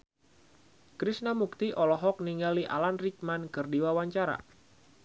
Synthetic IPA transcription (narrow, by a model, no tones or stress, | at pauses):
kɾisnamuk̚t̪iʔɔlɔɦɔk̚niŋaliʔa̰lanrik̚mankɨrdiwawaɲt͡ʃaɾa̰